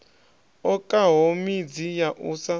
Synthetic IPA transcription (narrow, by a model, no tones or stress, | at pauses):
ɔkʼaɦomid͡zijaʔuːsa